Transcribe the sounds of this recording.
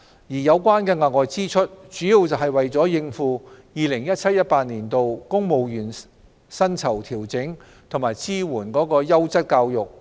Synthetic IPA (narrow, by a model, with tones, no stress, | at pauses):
jiː˨˩jɐ˨˧wkwaː˥nkɛː˧ŋaː˨˩ŋɔː˨jt͡siː˥t͡ʃʰɵ˥t̚t͡ʃyː˨˥ji˨˧wt͡sɐ˨wɦɐ˨jwɐ˨jt͡sɔː˨˥jɪ˧ŋfuː˨˧jiː˨lɪ˨˩ŋjɐ˥t̚t͡sʰɐ˥t̚jɐ˥t̚paː˧t̚niː˨˩nt̪o˨wkʊ˥ŋmo˨wjyː˨˩n | sɐ˥nt͡sʰɐ˨˩wt̪ʰiː˨˩wt͡sɪ˨˥ŋ | t̪ʰʊ˨˩ŋmaː˨˩jt͡siː˥wuː˨˩nkɔː˨˥kɔː˧jɐ˥wt͡sɐ˥t̚kaː˧wjʊ˨k̚